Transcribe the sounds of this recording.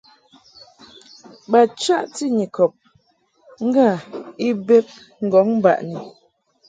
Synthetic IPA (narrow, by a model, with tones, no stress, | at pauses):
ba˨t͡ʃa˦ʔti˦˨ɲi˨kɔ˨p̚ | ŋ̩˦ɡa˦˨i˦be˦p̚ | ŋ̩˨ɡɔ˨˦ŋm˦ba̰˨ʔni˨